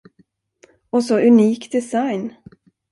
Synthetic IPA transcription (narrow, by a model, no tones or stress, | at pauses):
ɔsɔʔɵniːkd̪ɛsajn